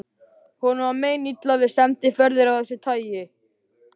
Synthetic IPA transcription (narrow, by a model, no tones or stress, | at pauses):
hɔnameːjnit̪lavɪ̥sɛmt̪ɪfœɾðɪɾawθɛsːɪt̪ʰaːjɪ